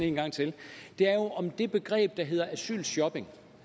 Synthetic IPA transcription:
e̝ːnɡ̥ɑ̈ŋ̰t͡sʰe̝ld̥e̝æɐjo̝ʔɒ̽md̥e̝b̥e̝ɡ̥ʁɛ̰ːb̥̚d̥ɑ̈ɦe̝ð̞̰ˠɐæsy̰ːlɕjɒ̽b̥e̝ŋ

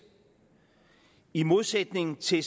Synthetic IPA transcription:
imo̝ðˠsed̥ne̝ŋn̩t͡sʰe̝s

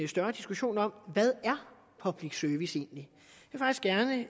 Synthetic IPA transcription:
sd̥ɶɐd̥isɡ̥uɕo̝̰ːnɒ̽m̰ʋæð̞ˠæɐ | pʰɒ̽b̥liɡ̥søɐʋise̝̰ːnli | jefɑ̈ɡ̥isɡ̥æɐnə

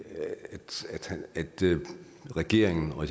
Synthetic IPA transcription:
d̥d̥hææd̥ | ʁɛɡ̥e̝ɐ̰e̝ŋn̩ɒ̽s

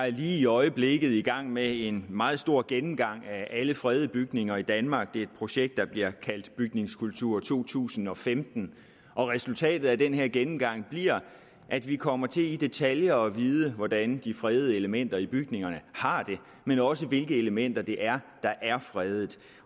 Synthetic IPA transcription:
æɐliːiɒ̽ɪəb̥le̝ɡ̥ð̩ˠiɡ̥ɑ̈ŋ̰mee̝nmɑ̈ːð̞̩ˠsd̥o̝ɐ̰ɡ̥enm̩ɡ̥ɑ̈ŋ̰ææləfʁɛːð̞̩ˠəb̥yɡ̥ne̝ŋɐid̥ænmɑ̈ːɡ̥̚d̥e̝ed̥̚pʰʁo̝ɕeɡ̥̚d̥ːɑ̈b̥liɐkʰæl̰d̥b̥yɡ̥ne̝ŋskʰult͡sʰuɐ̰t͡sʰo̝̰ːt͡sʰṵːsn̩ɒ̽femd̥n̩ | ɒ̽ʁɛsult͡sʰɛ̰ːd̥ð̩ˠæd̥enheɐ̰ɡ̥enm̩ɡ̥ɑ̈ŋ̰b̥liɐ̰ | ʔæd̥ʋikʰɒ̽m̰ɐt͡sʰe̝lid̥e̝t͡sʰæljɐɒ̽ʋiːð̞ˠəʋɒd̥ænd̥ifʁɛːð̞̩ˠəe̝ləmen̰d̥ɐib̥yɡ̥ne̝ŋɐnəhɑ̈d̥e̝ | menɒ̽s̬əʋe̝lɡ̥əeləmen̰d̥ɐd̥e̝ʔæɐd̥ɑ̈ʔæɐfʁɛːð̞ˠð̩ˠ

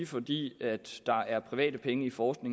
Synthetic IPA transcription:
ifɒ̽d̥ḭːæd̥ːɑ̈æɐpʰʁiʋɛ̰ːd̥əpʰeŋəifɒːsɡ̥ne̝ŋ

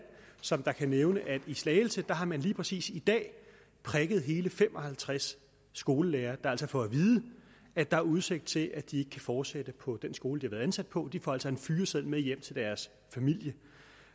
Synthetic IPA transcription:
n | sɒ̽md̥ɑ̈kʰæneʊnəʔæd̥islɛːɪl̩səd̥ɑ̈ɦɑ̈mænliːpʰʁɛsḭːsid̥ɛ̰ː | pʰʁɛɡ̥ð̞̩ˠɦe̝ːləfem̰ɒ̽hælt͡sʰʁasː | ɡ̥o̝ːləleːɐːd̥ɑ̈æl̰s̬ɒ̽fɒ̽æʋiːð̞ˠə | æd̥ɑ̈æɐuð̞ˠse̝ɡ̥̚d̥̚t͡sʰe̝lʔæd̥ie̝ɡ̥ə̥kʰæfɒːd̥sed̥əpʰɒ̽d̥ensɡ̥o̝ːləd̥ihɑʋæːð̩ˠænsæd̥̚pʰɒ̽d̥ifɒælsɒe̝nfyːɐsel̰mejem̰t͡sʰe̝ld̥æɐs | fæmil̰jə

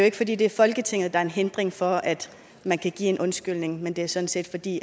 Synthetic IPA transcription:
joe̝ɡ̥əfɒ̽d̥ḭːd̥e̝æɐfɒ̽lɡ̥ət͡sʰe̝ŋ̰ð̞̩ˠd̥ɑ̈ɐe̝nɦend̥ʁeŋfɒ̽æd̥ | mænkʰæɡ̥ḭːe̝nʔɔ̽nsɡ̥yl̰ne̝ŋmend̥e̝æɐsɒ̽n̩se̝̰ːd̥fɒ̽d̥ḭː

